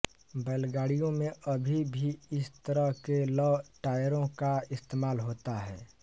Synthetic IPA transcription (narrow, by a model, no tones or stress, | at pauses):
bɛːlɡaːɽijõmẽʔəbʱibʱiɪst̪əɾəɦkelɔːʈaːjɾõkaɪst̪eːmaːlɦoːt̪aɦɛ̰ː